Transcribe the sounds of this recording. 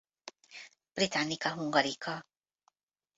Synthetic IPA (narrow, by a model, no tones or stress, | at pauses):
b̥ɾit̪anikaɦuŋɡaɾika